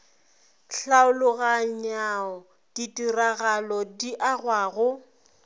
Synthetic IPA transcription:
ɬaʊlʊɣaɲaɔ | d̥itʼiraɣalɔdiʔaɣwaːɣʊ

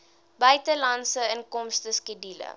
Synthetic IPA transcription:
bœɥtəlɐnsəənkɔmstəskidilə̰

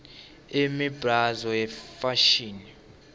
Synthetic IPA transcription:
emibʱrazɔjɛfaʃiːni

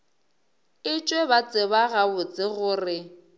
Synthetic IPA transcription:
ɪt͡ʃʼwebat͡sʼɪβaɣabʊt͡sʼɪɣʊːrɪ

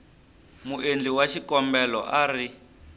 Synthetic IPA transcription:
muʔend͡ɮiwaʃikɔmbɛlɔ̰ʔari

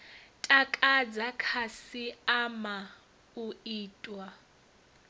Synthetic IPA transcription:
tʼakʼad͡zakʰasiama | uiːtʼwa

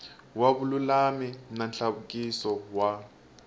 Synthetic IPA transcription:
waβululamim̩nanɬaβukʼisɔwa

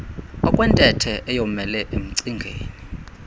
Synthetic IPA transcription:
ɔkʼwɛntʼɛtʰɛʔɛjomɛlɛʔem̩ǀiŋɡʱeːni

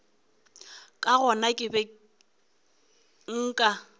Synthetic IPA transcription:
kʼaɣɔnakʼɪbɛ | ŋ̩ːkʼa

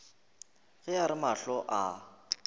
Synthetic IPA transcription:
ɣɪjaɾɪmaɬɔʔa

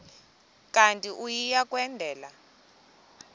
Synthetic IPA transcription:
kʼantʼiʔujijakʼwɛndʱɛːla

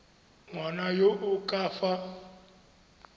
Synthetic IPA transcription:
ŋwanajoʔukʼaːfa

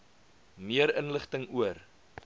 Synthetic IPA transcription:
miəɾənləχtəŋuər

